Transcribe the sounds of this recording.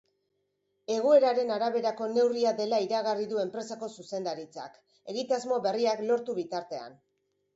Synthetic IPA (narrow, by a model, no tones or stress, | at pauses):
e̞ɣ̞ue̞ɾaɾe̞naɾaβe̞ɾako̞ne̞wriaðe̞laiɾaɣariðue̞mpɾe̞sako̞suse̞nd̪aɾit͡sa̰k | e̞ɣit̪azmo̞βe̞riaklo̞ɾt̪uβit̪aɾt̪e̞a̰n